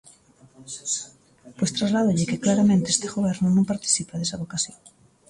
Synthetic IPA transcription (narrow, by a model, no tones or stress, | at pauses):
pojst̪ɾazlaðoʎɪkɪklaɾamẽnt̪eest̪eɣoβɛɾnʊnõmpaɾt̪i̥θipaðesaβokasjoŋ